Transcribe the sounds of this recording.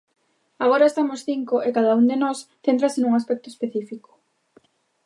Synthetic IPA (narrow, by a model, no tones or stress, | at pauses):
aɣ̞oɾaest̪amosθiŋkoʔekaðauŋd̪enɔsθent̪ɾasɪnuŋaspɛk̚t̪oe̥speθifiko̥